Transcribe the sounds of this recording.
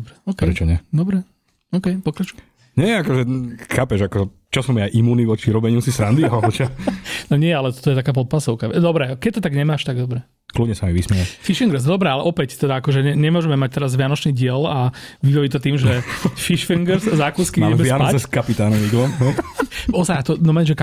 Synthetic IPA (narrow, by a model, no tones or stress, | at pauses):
ɔbɾɛɔkɛɾɛt͡ʃɔɲɛd̪ɔbɾɛ | ɔːkɛjpɔkɾat͡ʃu̥jɛm | ɲɛakɔʒɛxaːpɛʒakɔɛ | t͡ʃɔsumiaʔimuːniʋɔt͡ʃiɾɔbɛɲusisɾand̪iaɔt͡ʃanɔɲɪɛalɛt̪ɔ̥t̪ɔjɛt̪akaːp̬ɔt̪̚pasɔʊkaʋɛd̪ɔbɾɛkɛc̚t̪ɔt̪aɡɲɛmaːʃt̪aɡd̪ɔbɾɛ | kludɲɛsamiʋismɛlafiʃiŋɡɾsd̪ɔbɾɛalɛ̰ʔɔpɛct̪ɛd̪aakɔʒɛɲɛɲɛmʊɔʒɛmɛmac̚t̪ɛɾazʋɪanɔt͡ʃniːɟɪɛlaʋibɔʋit̪ɔt̪iːmʒɛfiʃfiŋɡɾszakuskimamɛbɛanpat͡sɛskapit̪aːnɔmiɡlɔmnɔɔzajat̪ɔnɔmɛnʒɛka